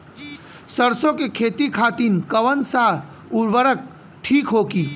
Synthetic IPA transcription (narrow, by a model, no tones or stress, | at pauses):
səɾsõkekʰeːt̪ikʰaːt̪iːnkəʋənsa | ʊɾʋəɾək̚ | ʈʰiːkɦoːkiː